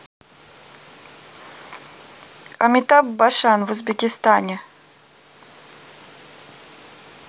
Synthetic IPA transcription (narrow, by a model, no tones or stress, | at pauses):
a̰mʲit̪abbaʂanvʊzbʲɪkʲɪst̪anʲe